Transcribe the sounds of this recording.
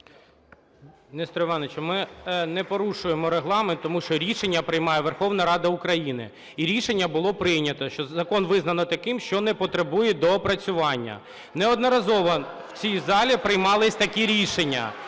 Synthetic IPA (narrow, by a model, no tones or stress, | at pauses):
nɛst̪ɾɔʋɑnet͡ʃɔmɪnɛpɔɾuʃʊjemɔɾeɦlˠɑment̪ːɔmuʃt͡ʃɔɾʲiʃenʲːɐpɾɪjmɑjɛʋerxɔwn̪ɐɾɑd̪ɐukɾɐjinɪ̰ | iɾʲiʃenʲːɐbʊlˠɔpɾɪjnʲɐt̪ɔʃt͡ʃɔzɐkɔnʋɪznɐnɔt̪ɐkɪmʃt͡ʃɔnɛpɔt̪ɾebujɛd̪ɔpɾɐt͡sʲʊʋɑnʲːɐ̰ | nɛɔd̪nɔɾɐzɔʋɔ | wt͡sʲizɑlʲipɾɪjmɑlˠɪsʲt̪ɐkʲiɾʲiʃenʲːɐ̰